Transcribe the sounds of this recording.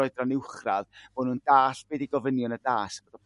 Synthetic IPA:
ɔɨdranɪwχraðv̥onundaːɬb̥eːdiɡɔvənjʊnədaːsb̥odɔpʰ

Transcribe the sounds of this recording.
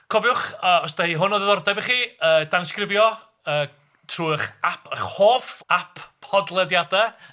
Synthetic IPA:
kʰɔvjʊχəːɔs̬d̥ahiːɦʊnɔðɛðɔrdɛbiχiːəːd̥anskrɪvjɔ | əː | tʰruːχapʰəχhoːfapʰɔdlˠɛdjadɛ

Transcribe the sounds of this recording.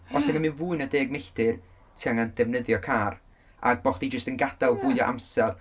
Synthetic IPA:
ɔsɛŋəmɨnvuːɨnədeːɡ̚mejɬd̥ɨr | tʰiaŋand̥ɛvnəðjɔkʰaːr | a̰ɡ̚bɔχd̥id͡ʒəstənɡad̥alˠvuɨɔʔa̰msɛr

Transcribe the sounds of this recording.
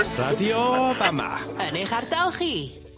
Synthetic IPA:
radiɔvama̰əneχardalˠχiː

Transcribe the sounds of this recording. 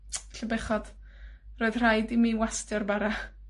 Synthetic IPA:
ɬəbɛχɔd̥ | roɨð̥r̥ajdiminwastjɔrbaɾa

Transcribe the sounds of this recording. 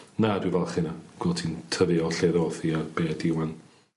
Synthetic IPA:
nadwɪvalˠχɪnaɡ̥wɪlˠtʰintʰəðɨɔɬeðɔθiabeːdɪwan

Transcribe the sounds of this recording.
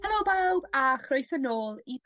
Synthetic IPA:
ɛlˠobawbaχroɨsənoːlˠi

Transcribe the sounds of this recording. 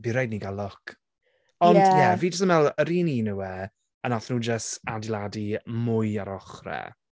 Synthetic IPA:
biɾɛjdniɡalˠɔkʰ | ɔndjɛviːd͡ʒəs̬təmɛlˠəɾiːniːnəwɛ | ənaθnuːd͡ʒəstadilˠadimʊjaɾɔχrɛ̰

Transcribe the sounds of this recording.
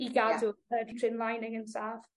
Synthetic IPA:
iɡadʊədtʰrɪnlˠajnɪɡənsaːf

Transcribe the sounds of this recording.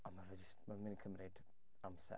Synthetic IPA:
ɔnmavɛd͡ʒɪstmamɪninkʰəmrɪd | amsɛ̰

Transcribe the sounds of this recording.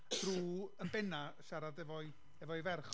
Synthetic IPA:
d̥ruːəmbɛnaʃaɾadɛvɔɨ | ɛvɔɨvɛrχ

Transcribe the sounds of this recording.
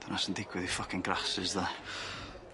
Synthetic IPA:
d̪̥anasəndɪkʰwɪðifʌkɪ̃ŋɡrasɪzðə

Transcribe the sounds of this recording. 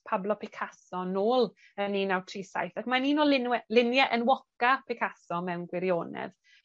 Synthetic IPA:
pʰablˠɔpʰɪkʰasɔnoːlˠ | əninawtʰriːsa̰jθakmaniːnoːlɪnwɛlɪnjɛʔənwɔkapʰɪkʰasɔmɛwnɡwɪɾjoːnɛ̰ð

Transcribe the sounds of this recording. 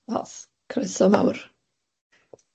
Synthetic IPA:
ɔ̰s | kʰrɪsɔma̰wr

